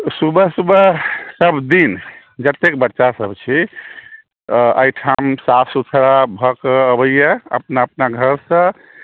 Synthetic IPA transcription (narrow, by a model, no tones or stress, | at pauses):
subəsubəsəbʱd̪in | d͡ʒət̪ːekbəʈːʃasəbt͡ʃʰi | ə̰jʈʰamsafsut̪ʰɾabʱɔkəːbəjəə̰pnaəpnaɡʱəɾsə̃